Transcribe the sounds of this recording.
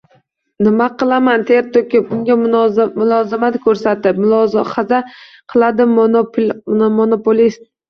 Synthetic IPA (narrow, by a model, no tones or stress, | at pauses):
nɪmaqɨlˠamant̪ʰeɾt̪ʰokʲɪpʊŋɡʲamʊlˠɒzɪmat̪kʲʰɵɾsat̪ɪpmʊlɒzχaza | qʰɨlˠad̪ɪm | monopolist̪̚